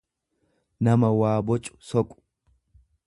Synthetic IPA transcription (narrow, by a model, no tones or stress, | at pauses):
nɐmɐwaːbɔt͡ʃʼːʊ̥sɔkʼʊ̥